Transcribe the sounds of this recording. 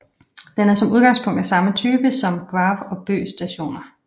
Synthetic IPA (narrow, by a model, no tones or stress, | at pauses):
d̥enæɐsɒ̽muð̞ˠɡ̥ɑ̈ŋspʰɔ̽ŋ̰d̥æsɑ̈mət͡sʰyːb̥əsɒ̽mɡ̥ʋɑ̈ːʋɒ̽b̥ø̰ːsd̥æɕo̝̰ːnɐ